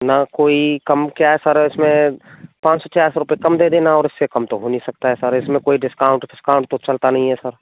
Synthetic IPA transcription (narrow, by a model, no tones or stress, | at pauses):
nakoːikɐmkjaɦɛsəɾɪsmẽpãːt͡ʃsɔt͡ʃaːɾsɾʊpekɐmd̪eːd̪eːnaɔːɾɪsːekɐmt̪oɦonisɐk̚t̪aɦɛsəɾɪsmẽkoːiɖɪskaːʊ̃ɳʈɖɪskaːʊ̃ɳʈ̚t̪ot͡ʃɐlt̪anɐɦĩɦɛsəɾ